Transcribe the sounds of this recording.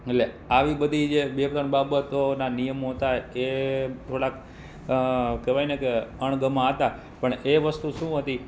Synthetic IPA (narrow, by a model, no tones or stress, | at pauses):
ele | aʋibəd̪ʱid͡ʒebepɾəɳbabət̪onanijəmɦot̪aeet̪ʰoɽak | kɛʋajnekeəɳ̃ɡəmãɦət̪a | pəɳeʋəst̪uʃũɦət̪i